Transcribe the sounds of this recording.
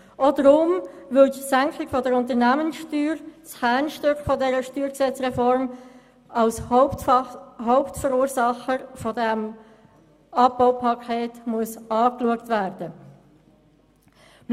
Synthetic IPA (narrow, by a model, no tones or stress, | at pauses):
ʔɔdəɾʊmʋʏldsæŋkʰɪɡ̥fɔdɛɾʊnt̬ənæːmənsʃtyːɾshæːnʃtøkχfɔdɛːɾəʃtyːɾksɛt͡sʁɛfɔɾm | ʔɑʊs | ɦoʊptfəɾuːɾsɑχəfɔdɛm | ɑp̚baʊpʰɑkʰeːtmuəsɑːkluəktvæːɾd̥ə